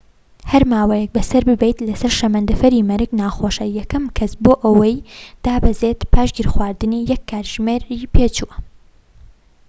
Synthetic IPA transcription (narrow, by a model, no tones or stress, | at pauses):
hɐɾmaːwɐjɛk̚bɐsɐɾbɨbejt̪lɐsɐɾʃɐmɐnd̪ɨfɐɾimɐɾɨknaːxoʃɐjɐkʰɐmkʰɐsboːʔɐwɐjd̪̥aːbɐzet̪pʰaːʃɡiɾxwaːɾd̪ɨnijɛkʰːaːɾʒ̥meːɾipʰeːt͡ʃuwɐ